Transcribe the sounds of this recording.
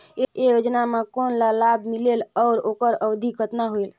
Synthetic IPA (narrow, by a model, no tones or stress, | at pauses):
eejod͡ʒnamekonlalabʱmilelɔːɾokəɾəwd̪ʱikət̪naɦoel